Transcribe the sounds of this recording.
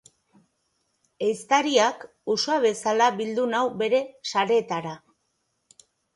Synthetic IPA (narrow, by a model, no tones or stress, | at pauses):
e̞jst̪aɾiak | usoaβe̞salaβild̪unawbe̞ɾe̞saɾe̞ːt̪aɾa